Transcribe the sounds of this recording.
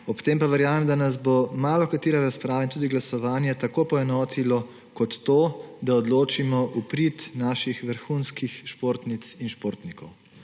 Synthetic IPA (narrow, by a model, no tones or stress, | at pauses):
ɔpt̪eːmpaʋɛɾjaːmɛmd̪anazbomaːlɔkat̪iːɾaɾaspɾaːʋɛnt̪uːd̪iɡlasɔʋaːnjɛt̪akoːpɔɛnɔːt̪ʰilɔ | kɔt̪ːoːd̪aɔd̪loːt͡ʃimɔʔupɾit̪naːʃixʋəɾxunskixʃpoːɾt̪nit̪sinʃpoːɾt̪nikɔw